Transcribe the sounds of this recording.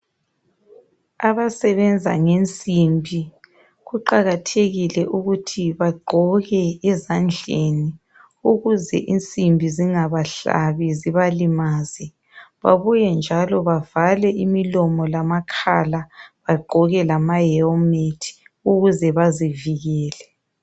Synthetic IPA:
aβasɛβɛnd͡zʱa̰ŋent͡sʼimbʱi | ɣuǃaɣatʰeɣilɛʔuɣutʰiβaɡ͡ǃʱɔɣɛɛzand͡ɮʱeni | uɣuzɛ̰ʔint͡sʼimbʱiziŋaβaɬa̰βiziβalimaːzi | βa̰βujɛnd͡ʒʱalɔβavalɛʔimilɔmɔlamakʰalaβaɡ͡ǃʱɔɣɛlamajɛɔmetʰi̥uɣuzɛβaziviɣɛːlɛ

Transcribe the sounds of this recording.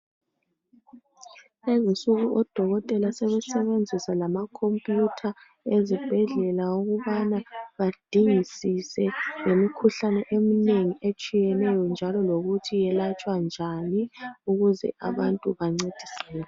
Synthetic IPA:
ezisuɣuʔɔd̥ʱɔɣɔtʼɛlasɛβɛsɛβend͡zʱisalamakʰompʼjutʰa | ezib̥ʱɛɮɛlaoɣuβanaβad̥ʱiŋisisɛŋemikʰuɬanɛʔemineŋiʔet͡ʃʼijɛnɛjɔnd͡ʒʱalɔloɣutʰijɛlat͡ʃʼwand͡ʒʱaniuɣuzɛ̰ʔa̰βantʼuβaŋ͡ǀed̥ʱisɛːlɛ

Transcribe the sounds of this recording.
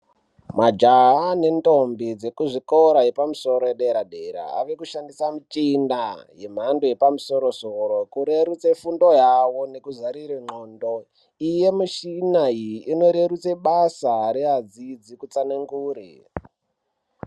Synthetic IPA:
mad͡ʒaɦane̞ntombid͡ze̞kuʐikoɾajepamuso̞ɾojeɗeɾaɗeɾa̰a̰ʋe̞kuʃandisamut͡ʃinaje̞m̤andoje̞pamuso̞ɾo̞soɾo̞kuɾe̞ɾut͡sefundo̞jawo̞ne̞kuzaɾireŋ͡ǃondo̞ | ije̞muʃinaiːno̞ɾe̞ɾut͡seɓasaɾeɦad͡zid͡zikut͡sanaŋɡuːɾḭ

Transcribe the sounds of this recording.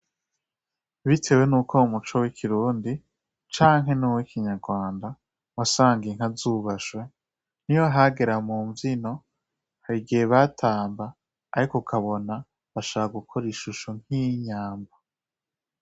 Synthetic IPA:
βitʰe̞we̞nuːkʰo̞umut͡ʃowikʰiɾuːndi | t͡ʃaːŋɦe̞nuwikiɲaɾɡwaːnda | wasaːŋɡieŋ̥hazuːβaʃwe̞ | n̥ijo̞ɦaɡe̞ɾamuːɱvino̞ | haɾiɡieβatʰaːmbaː | ɾikokʰaβo̞na | βaʃakaɡukʰoɾiʃuʃoŋ̥iɲaːmba

